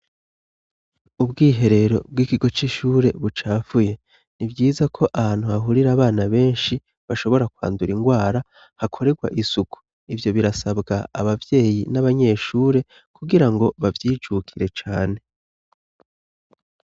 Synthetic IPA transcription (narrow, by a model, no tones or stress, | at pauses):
ubɡiːɦe̞ɾe̞ɾo̞̰b̚ɡwiːkiɡo̞t͡ʃiʃuːɾe̞βut͡ʃaːvuje̞ | nibɟiːzakʰo̞ʔahaːn̥huaɦuɾiɾaβaːnaβe̞ːnʃi | βaʃo̞βo̞ɾakwa̰ːnduɾiŋɡwaːɾa | hakʰo̞ɾe̞ɡwa̰ʔisuku̥ | ivjo̞βiɾasabɡaa̰βavje̞ːjinaβaɲe̞ːʃuːɾe̞ | kuɡiɾaŋɡo̞βavjiːd͡ʒukʰiɾe̞t͡ʃaːne̞